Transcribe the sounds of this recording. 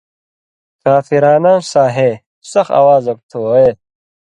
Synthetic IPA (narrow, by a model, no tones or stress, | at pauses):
kaːfiɾaːnaːnsaːɦeː | sɐxa̰waːzɐk̚t̪ʰoːe